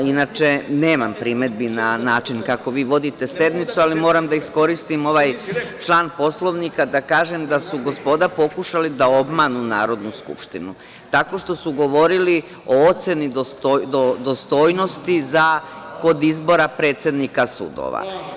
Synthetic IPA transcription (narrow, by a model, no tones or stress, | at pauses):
inat͡ʃe̞ne̞ːmampɾime̞d̪̚binanaːt͡ʃinkako̞ʋiːʋo̞d̪it̪e̞se̞d̪nit̪sualimo̞ːɾamd̪aisko̞ɾist̪imo̞ʋaːjt͡ʃlˠaːnpo̞slˠo̞ʋnikad̪akaːʒemd̪asuɡo̞spo̞d̪apo̞kuʃalid̪ao̞bmanuna̰ːɾo̞d̪nuskṵpʃt̪inṵ | t̪ako̞ʃt̪o̞suɡo̞ʋo̞ɾili | o̞ot̪se̞nid̪ot̪d̪od̪ost̪o̞ːjno̞st̪izako̞d̪izbo̞ɾapɾe̞ːt̪sje̞d̪nikasṵd̪o̰ʋa̰